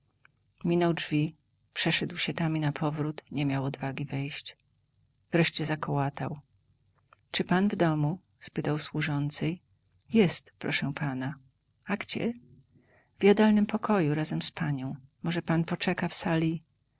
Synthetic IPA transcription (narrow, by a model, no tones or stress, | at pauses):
mʲinɔwd͡ʐvʲi | pʂɛʂɛd̪wɕɛt̪amʲinapʰɔvɾut̪ɲɛmʲjawɔd̪vaɡʲivɛjɕt͡ɕ | v̥ɾɛʂt͡ɕɛzakɔwat̪aw | t͡ʂɘpanvd̪ɔmu | spɘt̪awswuʐɔnt̪sɛj | jɛst̪pɾɔʂɛ̃pʰana | aɡd͡ʑɛ̰ | vʲjad̪alnɘmpɔkʰɔjuɾazɛmspaɲɔ̃w̃mɔʐɛpanpɔt͡ʂɛkafsalʲi